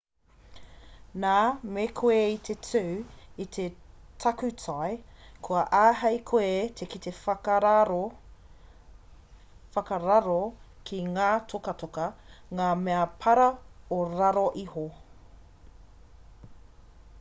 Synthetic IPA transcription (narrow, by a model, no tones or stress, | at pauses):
naːmekʰoeit̪ʰetʰʉit̪ʰetʰɐkʉtʰaekʰuɐʔaːɦɐjkʰoet̪ʰekit̪ef | fɐkɐɾɐɾo | kʰiŋaːtʰokɐtʰokɐŋaːmeɐpʰɐɾɐoɾɐɾoʔiho